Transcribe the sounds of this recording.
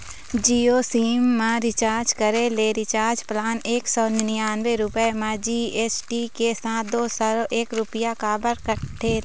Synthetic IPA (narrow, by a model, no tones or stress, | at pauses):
d͡ʒiːoːsiːmːãɾɪt͡ʃaːɾd͡ʒkəɾeleɾɪt͡ʃaːɾd͡ʒplaːneːksɔːnɪnjaːnʋeɾʊpəemãd͡ʒiːeːsʈikesãːd̪oːsaɾoʔeːkɾʊpɪjakaːbəɾkəʈʰe